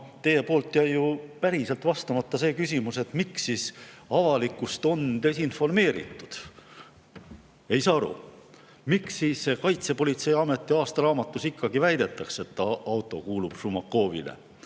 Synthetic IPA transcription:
t̪e̞je̞po̞ːlt̪ːˑjæjjupæɾiselt̪vɑst̪ɑmɑt̪ˑːɑse̞ːkysʲimuse̞t̪miksːiːsɑvɑlikːˑust̪o̞nt̪e̞sinfo̞rme̞ːɾḭt̪ːˑud̪̥ | e̞jsɑːɑɾṵ | miksiːsːe̞kɑjt̪se̞po̞lʲit̪se̞jɑme̞t̪ːˑiɑːst̪ɑɾɑːmɑt̪ːˑusikːɑɡivæjd̪e̞t̪ːˑɑkse̞t̪ːɑwt̪ːˑo̞̰kuːlub̥sumɑkːo̞ːvḭlḛ

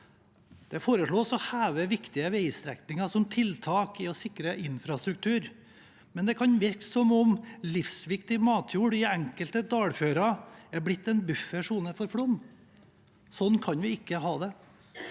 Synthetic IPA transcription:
d̪̥ɛfoːɾəʂɭoːsɔhæːʋəʋɪkt̪ɪəʋɛɪst̪ɾɛ̰knɪŋɑsɔmt̪ʰɪlt̪ʰɑːkɪɔsɪkɾəʔɪnfɾɑst̪ɾʉk̚t̪ʰʉːɾ | mɛnd̪ɛkʰɑnʋɪɾksɔmɔmlɪfsʋɪkt̪ɪmɑːt̪ʰjuːɽɪæŋkəlt̪əd̪ɑːɽføːɾɑæɾblɪt̪ːɛnbʉfːəʂuːnəfɔɾfɽɔm | sɔnːkʰɑnʋɪɪkːəɦɑːd̪ɛ

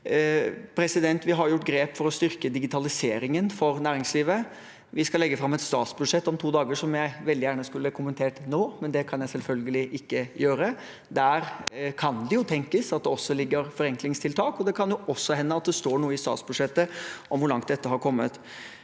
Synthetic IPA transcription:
pʰɾɛsɪd̪ɛnt̪ʋɪɦɑɾjjʊʈːɡɾeːpfɔɾɔst̪ʏɾkəd̪ɪɡɪt̪ʰɑlɪseːɾɪŋənfɔɾnæːɾɪŋsliːʋə | ʋɪskɑlɛɡːəfɾɑmːɛt̪st̪ɑːt̪sbʉd̪ʂɛt̪ːɔmt̪ʰuːd̪ɑːɡəʂɔmjæɪʋɛld̪ɪjæːɳəskʉlːəkʰʊmənt̪ʰeːʈnoːmɛnd̪ɛkʰɑnjæɪsɛlfœlɡəlɪʔɪkːəjøːɾə | d̪æɾkʰɑnd̪ɪjʊt̪ʰɛŋkəsɑt̪̚d̪ɛɔsːɔlɪɡːəɾfɔɾɛŋklɪŋst̪ʰɪlt̪ʰɑːkɔd̪ɛkʰɑnjʊʔɔsːɔhɛnːəɑt̪̚d̪ɛst̪oːɳuːəɪst̪ɑ̰ːt̪sbʉd̪ʂɛt̪ːəʔɔmʋʊɾɭɑŋt̪̚d̪ɛt̪ːəɦɑɾkʰɔmːət̪

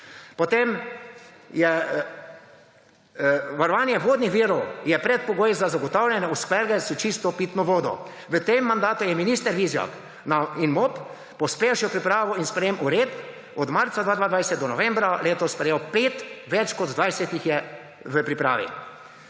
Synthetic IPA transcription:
pɔt̪em | jɛ | ʋaɾɔʋaːnjɛʋoːd̪nixʋiːɾɔwjɛpɾɛt̪̚pɔɡoːjzazaɡɔt̪awlʲɛnɛuskɛɾɡɛsut͡ʃist̪ɔpit̪nɔʋoːd̪ɔ̰ | ʋət̪emːand̪aːt̪ujɛminist̪ɛɾʋizjɔ̰k | nainmoːp | pɔspewʃiwpɾipɾaːʋɔinspɾɛjeːmuɾeːt̪ | ɔd̪maɾt̪sad̪ʋaːd̪ʋaːd̪ʋajsɛt̪̚d̪ɔnɔʋɛ̃mbɾaleːt̪ɔspɾɛjewpeːt̪ʋɛt͡ʃkɔd̪d̪ʋajsɛt̪ixjɛ | ʋəpɾipɾa̰ːʋḭ

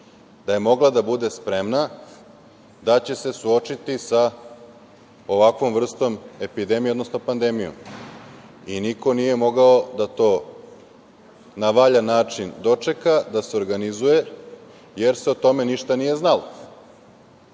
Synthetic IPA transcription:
d̪̥aje̞mo̞ɡlˠad̪abud̪e̞spɾe̞mna | d̪at͡ɕe̞se̞suo̞t͡ʃit̪isa | oʋakʋo̞mʋr̩st̪o̞me̞pid̪e̞mijeod̪nosno̞pand̪e̞mijo̰m | iniko̞nije̞mo̞ɡao̞d̪at̪o̞ː | naʋaʎanaːt͡ʂind̪o̞t͡ʂe̞kad̪aseo̞ɾɡanizuje̞ | je̞ɾse̞ot̪o̞me̞niʃt̪anije̞znalo

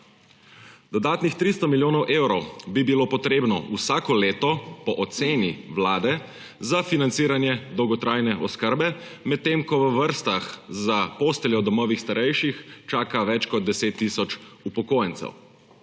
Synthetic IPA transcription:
d̪ɔd̪aːt̪nixt̪ɾist̪ɔmiljoːnɔwʔeːwɾɔwbibiloːpɔt̪ɾeːbnɔusaːkɔleːt̪ɔpɔʔɔt̪seːniʋlaːd̪ɛ | zafinant̪siːɾanjɛd̪ɔwɡɔt̪ɾʔaːjnɛʔɔskəɾbɛ | mɛt̪ːemkɔʋəʋəɾst̪axzapoːst̪ɛljɔd̪ɔmɔːʋixst̪aɾɛjʃixt͡ʃaːkaʋɛt͡ʃkɔd̪̚d̪ɛseːt̪ːisɔt͡ʃupɔkoːjɛnsɛ̰w

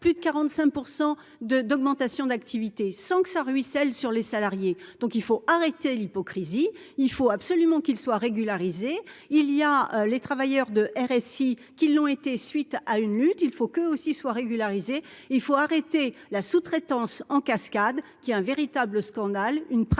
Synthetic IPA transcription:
plyd̪əkaʁɑ̃t̪sɛ̃k̚puʁsɑ̃ | d̪əd̪ɔɡmɑ̃t̪asjɔ̃d̪akt̪ʰivit̪esɑ̃kə̥saʁɥisɛlsyʁlesalaʁjed̪̥ɔ̃kilfoaʁet̪elipɔkχiziː | lfoabsɔlymɑ̃kilswaʁeɡʲylaʁizeːlijaølet̪χavajœʁd̪əʔɛʁɛsi | kʲilːɔ̃et̪esɥit̪aynlyt̪ilfokøosiswaʁeɡʲylaʁizeilfoaʁet̪elasut̪χet̪ɑ̃sɑ̃kaskad̪kʲiɛɛ̃veʁit̪abləskɑ̃d̪alynp

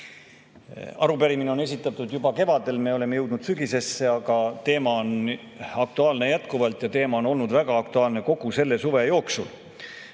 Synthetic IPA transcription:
ɑ̰ɾupæɾimineo̞ne̞sʲit̪ːˑɑt̪ːˑud̪jubɑke̞vɑd̪e̞lme̞ole̞me̞je̞wd̪̥nud̪̥syɡise̞sːe̞ɑɡ̥ɑt̪e̞ːmɑon | ɑk̚t̪uɑːlne̞jæt̪kuvɑlt̪ˑjɑt̪e̞ːmɑo̞no̞lnud̪væɡ̥ɑɑk̚t̪uɑːlne̞ko̞ɡ̥use̞lːe̞suve̞jo̞ːksṵl

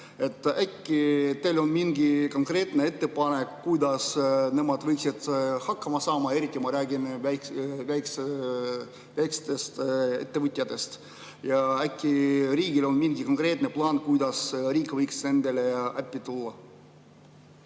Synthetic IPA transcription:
e̞t̪ːˑækːit̪elo̞nmiŋɡiko̞ŋkre̞ːt̪nee̞t̪ːe̞pɑnekːujd̪ɑsne̞mɑd̪̥vɤjksid̪̥hɑkːɑmɑsɑːmɑe̞ɾit̪ʲːˑimɑɾæːɡinævæjks | væjkst̪est̪e̞t̪ːe̞vɨt̪ʲːˑijɑd̪e̞st̪ | jɑækːiriːɡilo̞nminɡikoŋkre̞t̪ne̞plɑːnkujd̪ɑsriːkvɤjkse̞nd̪̥eleæpʲːit̪ulːɑ

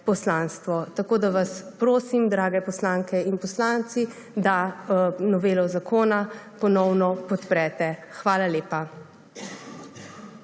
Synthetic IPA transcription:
pɔslanst̪ʋɔt̪akoːd̪aʋaspɾoːsimd̪ɾaːɡɛpɔslaŋkɛinpɔslaːnt̪si | d̪a | nɔʋeːlɔzakʰoːnapɔnɔwnɔpɔt̪pɾɛt̪ɛxʋaːlaleːpa

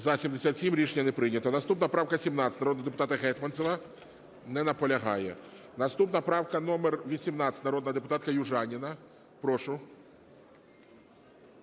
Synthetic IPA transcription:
zɐsʲimd̪esʲat̪ʲsʲimɾʲiʃenʲːɐnɛpɾɪjnʲːɐt̪ɔnɐst̪upnɐpɾɑwkɐsʲimnɑt̪sʲɐtnɾɔd̪nɐd̪epʊt̪ɑt̪ɐɦɛt̪mɐnsʲɔʋɐ | nɛnɐpɔlʲɐɦɑ̰jɛ̰ | nɐst̪upnɐpɾɑwkɐnɔmerʋʲisʲimnɑt̪ʲɐ̥tʲnɐɾɔd̪nɐɦɐd̪epʊ̥t̪ɑt̪kɐjʊʒɑnʲinɐ | pɾɔʃʊ

